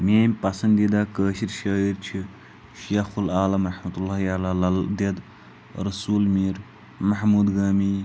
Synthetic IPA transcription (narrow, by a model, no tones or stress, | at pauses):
meːmʲpɐsɐnd̪id̪akəːʃiɾʃəːiɾt͡ʃʰi | ʃeːxulaːlɐmɾɐħmɐt̪ulːaːɦialaːlɐd̪ɐd̪ | ɾɐsuːlmiːɾ | mɐɦmuːd̪ɡaːmiː